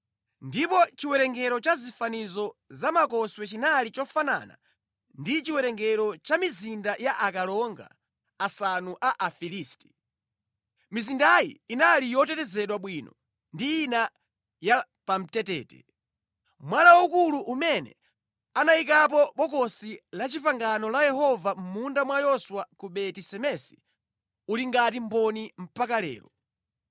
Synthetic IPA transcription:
ndipɔt͡ʃiwɛɾɛŋɡɛɾɔt͡ʃazifanizɔzamakɔswɛt͡ʃinalit͡ʃɔfana̰na̰ | ndit͡ʃiwɛɾɛŋɡɛɾɔt͡ʃamizindajaʔakalɔŋɡa̰ | asanuʔaʔafiliːsti̥ | mizindajḭːnalijɔtɛtɛzɛɗwaɓwiːnɔ | ndiːna | ja | pam̩tɛtɛ̰ːtɛ̰ | mwanawukuluʔumɛnɛ̰ | anaikap̬ɔɓɔkɔsilat͡ʃipaŋɡanɔlajɛɦɔvam̩mundamwajɔswakuɓɛtisɛmɛsi̥ | uliŋɡatimbɔnim̩pakalɛ̰ːlɔ

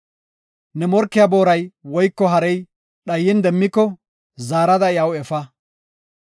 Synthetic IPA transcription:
nɛmɔɾkːɪjabo̞ːɾɐjwɔjkːɔɦɐɾɛj | ɗɐjːɪnd̪ɛmːɪkːɔ | zaːɾɐd̪ɐɪjɐwɛfɐ

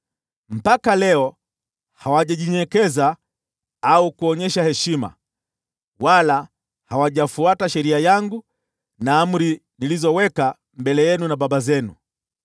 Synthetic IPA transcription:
m̩pakalɛɔ | hawaʄaʄiɲɛkɛza | aukuɔɲɛʃahɛʃima̰ | wala | hawaʄafuataʃɛɾiajaŋɡu | naːm̩ɾi | nilizɔwɛka | mbɛlɛjɛnunaɓaɓazɛnṵ

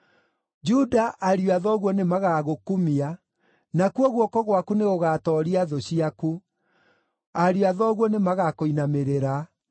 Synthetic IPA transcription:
d͡ʒudaʔaɾjwaðɔɣwɔnemaɣaɣokumia | nakuɔɣwɔkɔɣwakuneɣoɣaːtɔɾiaðoɕiaku | aɾjwaðɔɣwɔnemaɣakoinameɾeɾa

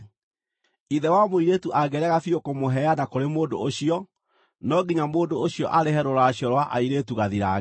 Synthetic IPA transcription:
iðɛwamoiɾetuʔaɡɛɾɛɣafiokomoɦɛanakoɾemoːndo̰oɕiɔ | nɔɡiɲamoːndooɕiɔʔaɾeɦɛɾoɾaɕjɔɾwaʔa̰iɾetuɣaðiɾa̰

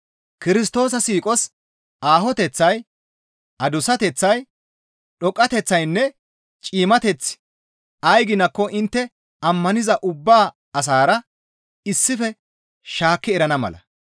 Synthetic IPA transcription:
kɪɾɪs̬t̪o̞ːsɐsiːkʼɔs | ʔaːɦɔt̪ɛt͡sːɐj | ɐd̪ʊsɐt̪ɛt͡sːɐj | ɗɔkʼːɐt̪ɛt͡sːɐjnːɛ | t͡ʃʼiːmɐt̪ɛt͡sːɪ̥ | ɐjɡɪnɐkːɔʔɪnt̪ːɛ | ɐmːɐnɪzɐʔʊbːaː | ɐs̬aːɾɐ | ɪsːɪfɛ | ʃaːkːɪɛɾɐnɐmɐ̰lɐ̰

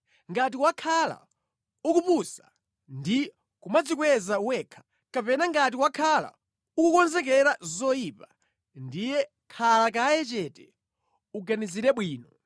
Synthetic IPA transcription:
ŋɡat̬iwakʰala̰ | ukupusa | ndi | kumad͡zik̬wɛzawɛkʰḁ | kapɛnaŋɡat̬iwakʰala̰ | ukukɔnzɛkɛɾazɔipa | ndijɛ | kʰalakaːjɛt͡ʃɛtɛ | uɡaniziɾɛɓwiːnɔ

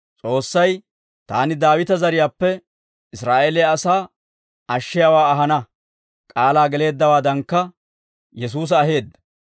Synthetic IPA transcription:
t͡sʼo̞ːsːɐj | t̪a̰ːnɪd̪aːwɪt̪ɐzɐɾɪjaːpːɛ | ɪsɾaːʔeːlɛɐsaː | ɐʃːɪjawaːɐɦɐnɐ | kʼaːlaːɡɛle̞ːd̪ːɐwaːd̪ɐŋkːɐ | jɛs̬uːs̬ɐːɦe̞ːd̪ːɐ

